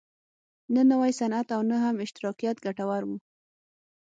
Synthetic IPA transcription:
nənawajsanat̪awnəɦamɪʃt̪ɪɾɑqijat̪ɡaʈawaɾwu

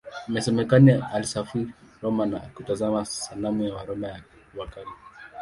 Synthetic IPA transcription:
imɛsɛmɛkanialisafiɾiɾɔmana̰kutazamasalamujawaɾɔmaja | wakali

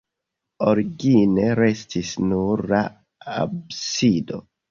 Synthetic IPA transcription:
oɾiɡine̞ɾe̞stʰisnuɾla | a̰bsido̞̰

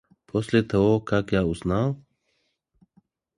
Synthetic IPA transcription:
pʰɔslet̪ʰɔokakjauznaw

